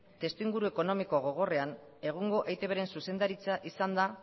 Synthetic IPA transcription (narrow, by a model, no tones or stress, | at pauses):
t̪e̞st̪uiŋɡuɾue̞ko̞no̞mikoɣo̞ɣ̞o̞re̞ane̞ɣ̞uŋɡo̞ʔejt̪e̞βeɾe̞nsuse̞nd̪aɾit͡saʔisand̪a